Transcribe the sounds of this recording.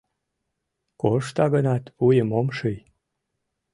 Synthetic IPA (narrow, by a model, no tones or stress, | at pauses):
koʃt̪ɑɣənɑt̪ujəmomʃɨj